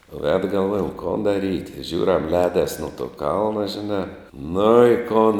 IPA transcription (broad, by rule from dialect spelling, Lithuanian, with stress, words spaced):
ʋʲɛt ɡɐlˠˈʋoːjɛm koːn dɐˈrʲiːtʲ ˈʒʲuːrʲɛm ˈlʲɛːdɐs nʊ toː ˈkɐlˠnɐ ʒʲɪˈnɑː ˈnʊ ɪ ˈkʊn